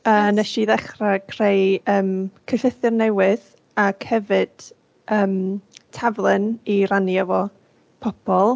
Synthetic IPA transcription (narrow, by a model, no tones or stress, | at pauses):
ənɛʃiðɛχraɡʰrejəːmkʰəɬɪθɨrnɛwɪð | akhɛvɨd̥ | əːmtʰavlˠɨniranjavɔ | pʰɔb̥ʰɔlˠ